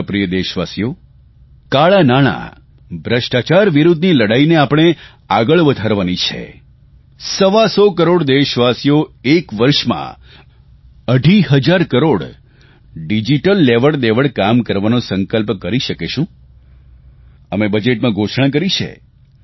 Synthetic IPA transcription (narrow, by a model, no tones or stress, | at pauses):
pɾijəd̪eʃʋasijo | kaɭanaɽ̃a̰ | bʱɾəʃʈat͡ʃaɾʋiɾud̪ʱniləɽaineapɽ̃e | aɡəɭʋəd̪ʱaɾʋanit͡ʃʰḛ | səʋasɔkəɾoɽd̪eʃʋasijoekʋəɾʃmã̰ | əɖʱiɦəd͡ʒaɾkəɾoɽ | ɖid͡ʒiʈəlːeʋəɽd̪eʋəɽkamkəɾʋanõsəŋkəlpkəɾiʃəkeʃũ | əmebəd͡ʒeʈmãɡʱoʃʰɳãk̬əɾit͡ʃʰḛ